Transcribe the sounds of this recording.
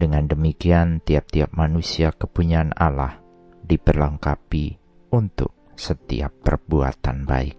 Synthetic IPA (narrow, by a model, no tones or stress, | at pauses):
dəŋandəmikiant̪iap̚t̪iap̚manusiakəpuɲaːnala̰h | dibərləŋkapi | unt̪ʊ̰k̚ | sət̪ḭa̰pːərbua̰t̪anba̰ɪk̚